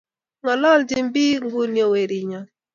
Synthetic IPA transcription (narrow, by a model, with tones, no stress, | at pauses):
ŋɔ˨lɔ˦˨ld͡ʒi˦m˦bi˦ŋ˦ɡu˦njo˦we˨ɾi˨ɲɔ˨